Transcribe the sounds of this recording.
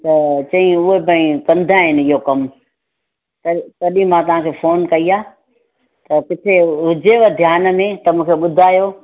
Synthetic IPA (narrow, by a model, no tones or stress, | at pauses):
t̪ɐt͡ɕɐɦĩʊɦebə̃ĩkɐ̃nd̪ʱaɦɪnɪɪɦokɐm | t̪ɐt̪ɐɗĩmãt̪ɐʋ̤ãːkʰeːfoːnkɐiaː | t̪ɐkɪt̪ʰeʊd͡ʑeʋəd̪ʱjaːn̆mẽt̪ɐmũːkʰeɓʊd̪ʱaːjoː